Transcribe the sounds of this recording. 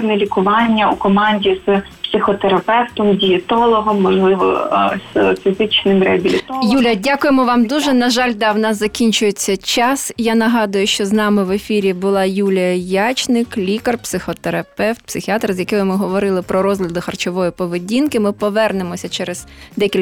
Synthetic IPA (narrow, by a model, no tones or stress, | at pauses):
nɛlʲikʊʋɑnʲːɐukɔmɑnʲdʲiz̥ | psɪxɔt̪eɾɐpɛwt̪ɔmdʲijɪt̪ɔlˠɔɦɔmːɔʒlˠɪʋɔ̰z̥fʲizɪt͡ʃnɪmɾɛɐbʲilʲit̪ɔjulʲɐdʲakʊjemɔʋɑmd̪uʒɛnɐʒɑlʲd̪ɑwnɑszɐkʲinʲt͡ʃʊjet͡sʲːɐt͡ʃɑsjanɐɦɑd̪ʊjʊʃt͡ʃɔznɑmɪʋefʲiɾʲibʊlˠɑjulʲijɐjat͡ʃnɪklʲikɐrpsɪxɔt̪eɾɐpɛwt̪̚psɪxʲiɑt̪rzjɐkɛjʊmɪɦɔʋɔɾɪlˠɪpɾɔɾɔzlʲɐd̪ɪxɐrt͡ʃɔʋɔjipɔʋedʲinkɪmɪpɔʋɛrnemɔsʲɐt͡ʃɛɾɛz̥d̪ɛkʲilʲ